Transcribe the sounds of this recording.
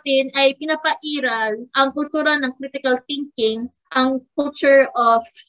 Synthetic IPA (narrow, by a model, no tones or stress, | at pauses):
t̪ɪnʔɐjpɪnɐpɐʔiːɾɐlʔɐŋkʊlt̪uːɾɐnɐŋkɾit̪ɪkɐlθɪŋkɪŋ | ʔɐŋkʊlt͡ʃʊɹʔof